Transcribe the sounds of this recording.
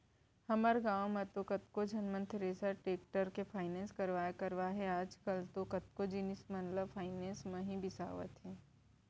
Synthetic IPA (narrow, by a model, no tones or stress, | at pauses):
hɐməɾɡãːwmẽt̪okɐt̪kod͡ʒʱɐnmə̃nt̪ʰɾeːsəɾʈeːkʈəɾkefʰaːɪnɛ̃ːnskɐɾʋaːjekɐɾʋaɦɛaːd͡ʒkəlt̪okɐt̪̚kod͡ʒinɪsmɐnləbfʰaːɪnẽːnsmẽɦĩbɪsa̰ːʋə̰t̪ɦɛː